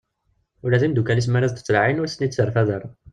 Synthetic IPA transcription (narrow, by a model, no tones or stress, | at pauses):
ulːæðimd̪ukælis̬mæɾæzt̪ə̥t͡sːlʕinʊɾsnit̪səɾˤfæðəɾˤ